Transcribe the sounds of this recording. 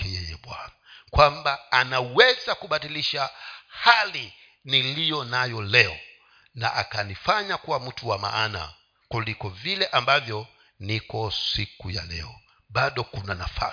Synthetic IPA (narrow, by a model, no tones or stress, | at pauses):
kɛjɛjɛɓwan | kwambaːnawɛzakuɓatiliʃahali | nilijɔnajɔlɛɔ | na̰ʔakanifaɲakuwam̩tʰuwama̰ana̰ | kulikɔvilɛʔambavjɔ | nikɔsikuja̰lɛ̰ɔ | ɓaɗɔkunanafa̰